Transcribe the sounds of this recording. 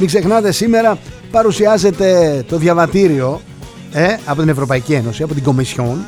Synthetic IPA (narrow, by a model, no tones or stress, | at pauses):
miɡze̞xnɐt̪e̞sime̞ɾɐpɐɾusiɐze̞t̪e̞t̪o̞ðʝɐvɐt̪iɾio̞ | eɐpo̞t̪ine̞vɾopɐicie̞no̞siɐpo̞t̪iɡo̞misço̞n